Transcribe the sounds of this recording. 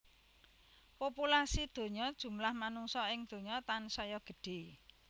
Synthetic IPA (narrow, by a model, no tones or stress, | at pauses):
populasid̪̥o̤ɲɔd̥ʒ̥ṳmlahmanuŋsɔɪŋd̪̥o̤ɲɔt̪ansɔjɔɡ̥ə̤ɖ̥e̤